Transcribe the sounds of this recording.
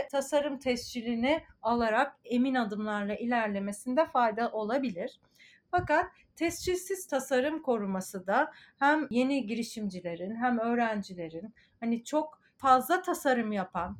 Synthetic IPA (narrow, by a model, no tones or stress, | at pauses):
t̪ʰasaɾɯmt̪ʰɛst͡ʃʰilʲinialˠaɾake̞minad̪ɯmlˠaɾlˠaʔilʲæɾlʲe̞me̞sind̪ɛfajd̪aʔo̞lˠabilʲiɾ̥ | fakat̪ʰːɛst͡ʃʰilʲsiz̥t̪ʰasaɾɯmkʰo̞ɾumasɯd̪a | hæmje̞niɟiɾiʃimd͡ʒilʲe̞ɾinɦæmø̞ːɾænd͡ʒilʲe̞ɾin | hanit͡ʃʰo̞k | fazlˠat̪ʰasaɾɯmjapʰan